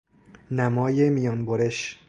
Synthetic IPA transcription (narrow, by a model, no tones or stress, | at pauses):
næmɒːjemijɒːnboɾeʃ